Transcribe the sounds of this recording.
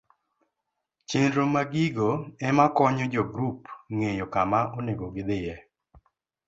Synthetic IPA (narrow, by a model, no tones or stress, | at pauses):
t͡ʃenɾomaɡiɡoɛmakɔɲɔd͡ʒɔɡɾupŋejokamaɔneɡɔɡɪd̪ɪjɛ